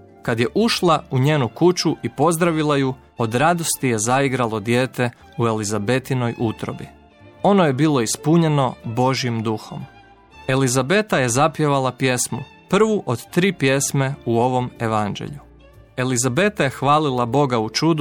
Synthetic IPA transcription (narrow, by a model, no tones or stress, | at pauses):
kad̪je̞ʔuʃlˠauɲeːnukut͡ʃuʔipo̞zd̪ɾaʋilˠaju | o̞d̪ɾad̪o̞st̪ije̞zaiɡɾalˠo̞d̪je̞ːt̪e̞ | ue̞lizabe̞t̪ino̞jʔut̪ɾo̞̰bi | o̞no̞je̞biːlˠo̞ispuɲe̞no̞bo̞ʒiimd̪uxo̞̰m | e̞lizabe̞t̪aje̞zapje̞ʋalˠapje̞smu | pr̩ʋuʔo̞d̪t̪ɾiːpje̞sme̞uo̞ʋo̞me̞ʋand͡ʒḛʎu | e̞lizabe̞t̪aje̞xʋaːlilˠabo̞ɡaut͡ʃud̪